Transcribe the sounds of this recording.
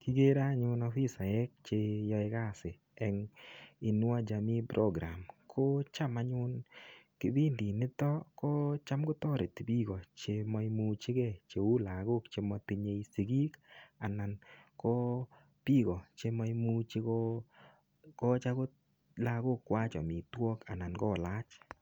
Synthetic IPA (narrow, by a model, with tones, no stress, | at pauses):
kɪ˦ɡe˦ɾa˦ɲʊ˦nɔ˦fi˦sa˨ɛ˦k̚t͡ʃe˧jɔ˧ɪ˦ka˦˨sɪ˨ | ɛ˨ŋɪ˨nwa˦d͡ʒa˨mi˦pɾʔɔ˦ɡɾa˨mkʰo˦t͡ʃa˦ma˦ɲʊ˦nkɪ˦bi˦ndi˨nɪ˦t̪ɔ˦kɔ˦t͡ʃa˦mɡʊ˦t̪ɔ˦ɾe˨t̪bi˦ɡɔ˨t͡ʃe˧mɔ˦mu˦t͡ʃɪ˦ɡɛ˦˨t͡ʃe˨u˦la˨ɡʊ˦kt͡ʃe˧mɔ˧ti˧ɲe˧˦isi˨ɡi˦ka˨na˨nkɔ˦ | pi˦ɣɔ˨t͡ʃe˧˦mɔ˦jmu˦t͡ʃɪ˦ɡɔ˦ | kɔ˦t͡ʃa˦kʊ˦ | la˧ɡʊ˦kːwa˦t͡ʃɔ̰˨mɪ˨twɔ˦ka˨na˨nɡɔ˦˨la˦t͡ʃ